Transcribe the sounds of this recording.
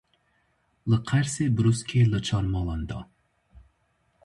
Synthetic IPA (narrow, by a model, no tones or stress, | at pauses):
lˠɨqʰæɾsɪbɾuskʲʰelˠɨt͡ʃʰɑɾmɑlˠɑnd̪ɑ